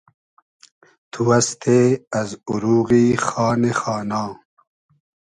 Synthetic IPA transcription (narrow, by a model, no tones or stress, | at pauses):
t̪ʰuɐst̪ʰeɐzuɾuːɣiːxɑːnexɑːnaː